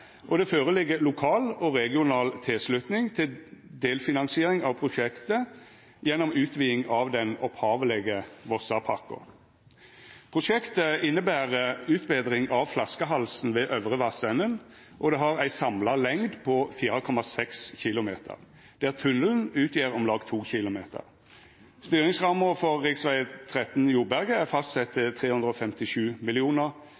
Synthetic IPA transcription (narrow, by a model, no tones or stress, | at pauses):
ʔɔd̪ɛføːʁəlɪɡːəlʊkʰɑːlɔʁɛɡɪʊnɑːlt̪ʰɪlslʉt̪nɪŋt̪ʰɪld̪eːlfɪnɑnsɪeːɾɪŋɑʋpʰʁʊʃɛkt̪ə | jɛnːɔmʉːt̪ʋiːɪŋɑʋd̪ɛnɔphɑːʋəlɛɡəʋɔsɑpʰɑ̰kʊ̰ | pʰʁʊʃɛkt̪əɪnːəbæːʁəʉːt̪beːd̪ɾɪŋʔɑʋflɑskəɦɑlsn̩ʋeːʔœʋʁəʋɑsɛnən | ʔɔd̪ɛɦɑʁæɪsɑmlɑlɛŋd̪pʰɔfiːʁəkʰɔmɑsɛksçɪlʊmeːt̪ʰə̰ʁ | d̪̥æːʁt̪ʰʉnəln̩ʉːt̪ʰjiːʁɔmlɑːɡt̪ʰuːçɪlʊmeːt̪ʰə̰ʁ | st̪yːʁɪŋsʁɑməfɔʁːɪksʋæɪət̪ʰʁɛt̪n̩juːbæʁɡəæʁfɑst̪sɛt̪ʰːɪt̪ʰʁeːhʉnd̪ʁəɔːfɛmt̪ɪʃʉːmɪlɪuːnəʁ